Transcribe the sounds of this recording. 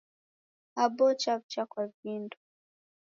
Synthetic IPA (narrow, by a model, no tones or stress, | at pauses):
abɔt͡ʃavt͡ʃakwavindu